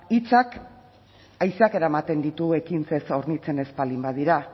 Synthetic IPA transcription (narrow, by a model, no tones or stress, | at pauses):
it͡sak | ajsake̞ɾaemat̪e̞nd̪it̪ue̞kinse̞so̞ɾnit͡se̞ne̞spalimbaðiɾa